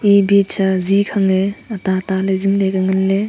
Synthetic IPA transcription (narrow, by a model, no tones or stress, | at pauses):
ibet͡ʃʰɐzikʰaŋeɐtataleziŋlekaŋɯnle